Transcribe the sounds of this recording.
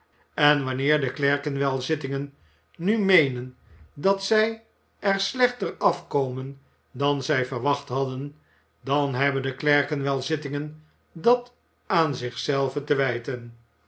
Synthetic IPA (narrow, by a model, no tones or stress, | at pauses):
ɛnʋɑnɪːɹdəklɛɹkənʋɛlˠzɪtɪŋənː | ymejnən | dɑtsɛj | ɛɹslɛχtərɑfkowmən | dɑnzɛjfəɹʋɑχtɦɑdən | dɑnɦɛbəndəklɛɹkənʋɛlˠzɪtɪŋən | dɑt | aːnzɪχsɛlˠvətəʋɛjtən